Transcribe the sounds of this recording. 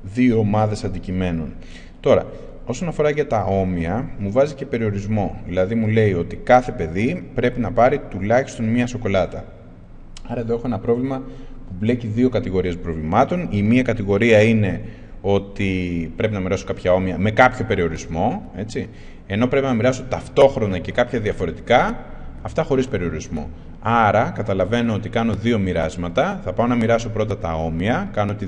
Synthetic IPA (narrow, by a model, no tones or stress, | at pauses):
ðio̞ːmɐðe̞sɐnd̪icime̞nun | t̪o̞ɾɐ̰ | o̞so̞nɐfo̞ɾɐʝɐt̪ɐo̞miɐmuvɐzice̞pe̞ɾio̞ɾizmo̞ðilɐðimule̞io̞t̪ikɐθe̞pe̞ðipɾe̞pinɐpɐɾit̪ulɐçi̥st̪o̞nmiɐso̞ko̞lɐt̪ɐ | ɐɾɐe̞ðoe̞xo̞enɐpɾo̞vlimɐ | puble̞ciðio̞kɐt̪iɣo̞ɾie̞spɾo̞vlimɐt̪o̞nimiɐkɐt̪iɣo̞ɾiɐine̞ | o̞t̪ipɾe̞pinɐmiɾɐso̞kɐpçɐo̞miɐme̞kɐpço̞pe̞ɾio̞ɾizmo̞e̞t͡si | e̞no̞pɾe̞pinɐmiɾɐso̞t̪ɐft̪o̞xɾo̞nɐce̞kɐpçɐðiɐfo̞ɾe̞t̪ikɐ | ɐft̪ɐxo̞ɾispe̞ɾio̞ɾizmo̞̰ | ɐɾɐkɐt̪ɐlɐve̞noot̪ikɐno̞ðio̞miɾɐzmɐt̪ɐθɐpɐonɐmiɾɐso̞pɾo̞t̪ɐt̪ɐo̞miɐkɐnoot̪i